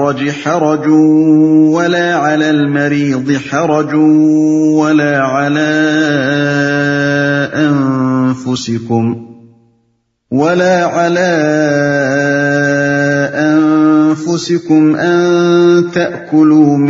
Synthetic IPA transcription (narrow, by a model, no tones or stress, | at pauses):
ɾˤɑd͡ʒħɑɾˤɑd͡ʒuːwalaːʕalaːlmaɾiːd̪ˤɨħɑɾˤɑd͡ʒuːwalaːʕalaː | ʔanfʊsɪkʊm | walaːʕalaː | ʔanfʊsɪkʊmʔant̪aʔkʊluːm